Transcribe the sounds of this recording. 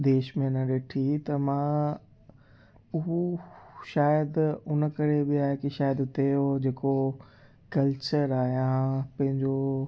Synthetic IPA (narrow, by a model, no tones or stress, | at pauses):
d̪eːʃmẽnə̃ɗeːʈʰit̪ɐmã | ʊɦoʃaːjəd̪ʊnəkɐɾebɪaːɦekiʃaːjəd̪ʊt̪eod͡ʑeːko | kɐlt͡ɕəɾaːɦijãpɐ̃ɦɪ̃ɲd͡ʑo